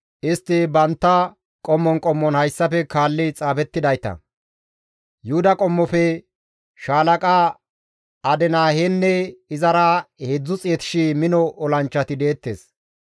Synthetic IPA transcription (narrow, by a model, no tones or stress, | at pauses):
ʔɪst̪ːɪbɐnt̪ːɐ | kʼɔmːɔŋkʼɔmːɔnhɐjsːɐpɛkaːlːɪt͡sʼaːfɛt̪ːɪd̪ɐjt̪ɐ̰ | jʊhʊd̪ɐkʼɔmːɔfɛ | ʃaːlɐkʼa | ɐd̪ɛnaːhɛnːɛɪzɐɾɐhed͡zːʊt͡sʼɪɛt̪ɪ̥ʃimɪnɔɔlɐnt͡ʃːɐt̪ɪd̪e̞ːt̪ːḛːs